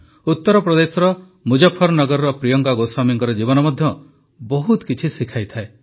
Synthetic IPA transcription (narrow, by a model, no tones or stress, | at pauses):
ut̪ːɔɾɔpɾɔd̪esɔɾɔ | mud͡ʒapʰːɔɾɔnɔɡɔɾɔɾɔpɾijɔŋkaɡosamiŋkɔɾɔd͡ʒibɔnɔmɔd̪ʱjɔ | bɔɦut̪kit͡ʃʰisikʰajt̪ʰae